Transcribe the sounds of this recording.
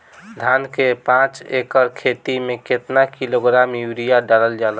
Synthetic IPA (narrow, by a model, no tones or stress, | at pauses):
d̪ʱankepãt͡ʃekəɾkʰet̪imẽket̪nakiloɡɾamjuɾijaɖaləld͡ʒalə